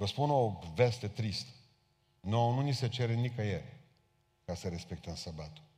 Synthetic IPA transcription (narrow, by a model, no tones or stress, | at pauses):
vəspuno̞ve̞st̪e̞t̪ɾist̪ə̥ | nonunise̞t͡ʃe̞ɾenikajer | kasəɾe̞spe̞k̚t̪əmsabat̪u̥